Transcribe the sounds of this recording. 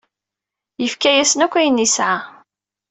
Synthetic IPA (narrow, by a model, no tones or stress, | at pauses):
jəfkæjæsənækʷːæjənːisʕa